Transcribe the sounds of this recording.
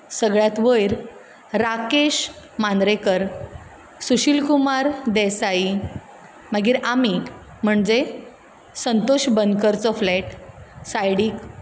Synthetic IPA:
səɡɭjat̪ʋəjɾ | ɾakeɕ | mand̪ɾekəɾ | suɕilkumaɾd̪ɛsai | məɡiːɾami | m̤əɳd͡ze | sənt̪oɕbənd̪kəɾt͡sɔflɛʈsajɽiːk

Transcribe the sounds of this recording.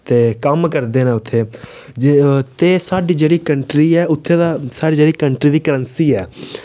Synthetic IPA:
t̪eːkəmkəɾd̪eːnɛːʊt̪ʰːeː | d͡ʒt̪eːsaːɖiːd͡ʒeːɽiːkəɳʈɾiːɛːʊt̪ʰːeːd̪aːsaːɖiːd͡ʒeːɽiːkəɳʈɾiːd̪iːkəɾənsiːɛː

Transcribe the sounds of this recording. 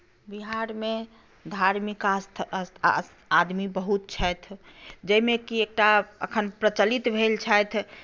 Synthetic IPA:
biɦaɾme | d̪ʱaɾmikast̪ʰ | ad̪mibəɦut̪̚t͡ʃʰəjt̪ʰd͡ʒəimẽkiek̚ʈaə̰kʰənpɾət͡ʃəlit̪bʱelt͡ʃʰəjt̪ʰ

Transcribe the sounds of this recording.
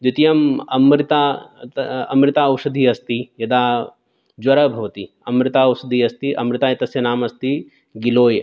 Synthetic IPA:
d̪ut̪ijɐmɐmɾit̪aː | ɐmɾɪt̪aːɐwʂɐd̪ʱiːɐst̪ijɐd̪aː | d͡ʒwɐɾɐbʱɐʋɐt̪i | ɐmɾɪt̪aːɐwʃɐd̪ʱiːɐst̪iʔɐ̰mɾɪt̪aːjɐt̪ɐsjɐnaːmɐst̪i | ɡiloːjɐ

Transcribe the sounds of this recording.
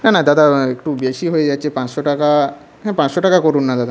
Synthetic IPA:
nanad̪at̪aekʈubesiɦojed͡ʑat͡ɕepãt͡ɕʃɔʈaka | ɦɛ̃pãt͡sɕɔʈakakɔɾuːnːat̪at̪a

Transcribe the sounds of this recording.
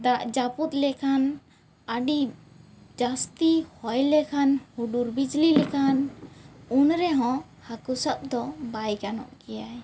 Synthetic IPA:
d̪aʔd͡ʒaput̪lɛkʰan | əɖi | d͡ʒast̪ihɔjlɛkʰanhuɖuɾbid͡ʒlilɛkʰan | unɾɛɦɔ̃ | hakusap̚d̪ɔbajɡanɔ̰ʔkɛjaj

